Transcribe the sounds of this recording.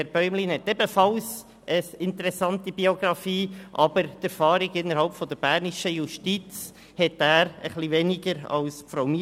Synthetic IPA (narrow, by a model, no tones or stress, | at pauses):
ɛɾb̥œʏmlinhɛt̪ɛbəfɑls | əɪntəɾɛsɑntibioɡɾɑfiːʔɑbəɾt̪ɛɾfɑːɾiɡɪnːəɾɦɑlpfɔd̪əɾb̥æːɾniʃəjuʃtit͡s | hɛtæːɾəχlivɛniɡəɾɑ̰lsfɾaʊmi